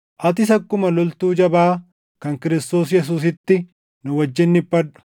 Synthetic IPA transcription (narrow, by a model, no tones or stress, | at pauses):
ʔɐt̪̬ɪs̬ɐkːʊmɐlɔlt̪uːd͡ʒɐbaː | kɐŋkɪɾɪst̪o̞ːsjɛs̬uːs̬ɪt̪ːɪ | nʊwɐd͡ʒːɪnːɪbːɐᶑʊ̥